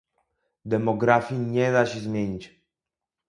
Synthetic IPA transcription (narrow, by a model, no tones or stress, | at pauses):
d̪ɛmɔɡɾafʲjiɲɛd̪aɕɛzmʲjeɲit͡ɕ